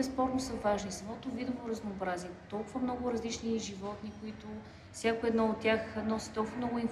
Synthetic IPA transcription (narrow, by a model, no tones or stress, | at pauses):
ɛspɔɾt̪nosɐvaʒnisɐmɔt̪ovid̪ovoɾɐznoːbɾaziɛt̪ɔlˠkʊvəmnɔɡʊɾɐzlit͡ʃniʒivɔt̪nikoit̪ʊ | fsʲjakoɛd̪nɔot̪ːʲjaxnɔsi̥t̪ɔlˠkvəmnɔɡʊinf